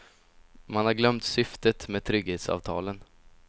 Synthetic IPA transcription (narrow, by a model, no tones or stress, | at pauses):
manhaɾɡlœmt̪sʏft̪ət̪meːd̪̚t̪ʰɾʏɡheːt̪sɑ̰ːvt̪ʰɑ̰ːlən